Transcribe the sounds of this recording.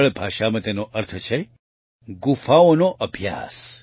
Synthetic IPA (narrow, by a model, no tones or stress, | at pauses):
ɭbʱaːʃamɐ̃t̪enoʔəɾt̪ʰət͡ʃʰe | ɡufaːonoʔəbʱja̰ːs